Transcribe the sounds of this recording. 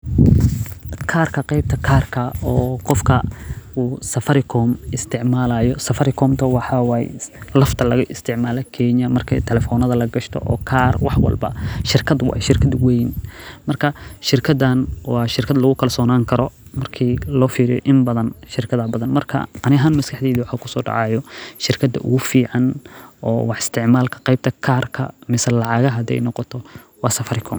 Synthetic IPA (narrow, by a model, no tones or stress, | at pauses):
kʰaːrkʰɐqɛjb̚t̪ʰɐkʰaːrkʰɐɔːqɔfkʰɐuːsɐfɐɾɪkʰɔːmɪst̪ʰɪʕmaːlajɔsɐfɐɾɪkʰɔːmt̪ʰɐwɑħɑwɑːj̰lɐft̪ʰɐlɐɣɐʔɪst̪ʰɪʕmaːlɛkʰɛɲɐmɐrkʰɛ̰jt̪ʰɛlɛfɔːnɐðɐlɐɡɐʃt̪ʰɔ̰ʔɔ̰ːkʰaːrwɑħwɐ̰lbɐ̰ʃɪrkʰɐd̪wɑ̰ːjʃɪrkʰɐd̪wɛjnmɐrkʰɐʃɪrkʰɐd̪ɐnwɑːʃɪrkʰɐd̪lɐɣʊkʰɐlsɔːnaːŋkʰɐɾɔmɐrkʰiːlɔːfiːɾɪjɔ̰ʔɪmbɐðɐnʃɪɾkʰɐðɐːbɐðɐnmɐrkʰɐ̰ʔɐnɪɦanmɐskʰɐħd̪ɛːðɪwɑħaːkʰʊsɔːɖɑ̰ʕɑjɔʃɪrkʰɐd̪ɐ̰ʔʊ̰ɣʊfiːʕɑnʔɔ̰ːwɑħɪ̥st̪ʰɪʕmaːlkʰɐ̥qɐjb̚t̪ʰɐkʰaːrkʰɐ̰mɪsɐlɑʕɑːɣɐɦɐd̪ɛ̰jnɔqɔt̪ʰɔ | wɑːsɐfɐɾɪkʰɔ̰m